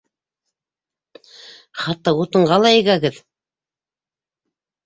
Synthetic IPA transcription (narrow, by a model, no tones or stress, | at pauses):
χɑt̪ːɑut̪ɤ̆ɴʁɑlˠɑĭɡæɡɘð